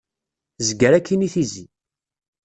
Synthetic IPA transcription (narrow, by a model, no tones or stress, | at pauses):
zəɡəɾækːiniθizi